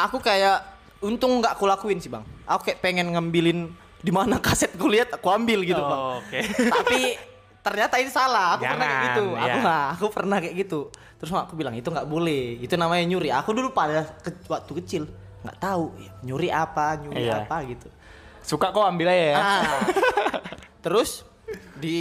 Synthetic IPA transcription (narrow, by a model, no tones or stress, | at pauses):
ʔakukajaʔ | unt̪ʊŋːɡaʔkulakuɪnsiba̰ŋakukaɛʔpeŋɛnŋambilɪn | dimanakasɛt̪̚kuliɦat̪akuambɪlɡit̪ubaket̪ai | t̪ərɲat̪ait̪usalahakupərnahkɛɡiʔt̪ua̰kuŋɡaːkupərnahkaɛʔɡit̪u | t̪əɾʊsmaakubilaŋit̪uŋɡaʔbolɛhit̪unamaɲaɲuɾiakudulupadakəwak̚t̪ukət͡ʃɪl | ŋɡa̰ʔt̪aujaɲuɾiapaɲuɾia̰paɡit̪u | sukakawambɪlajaa | t̪əɾʊs | di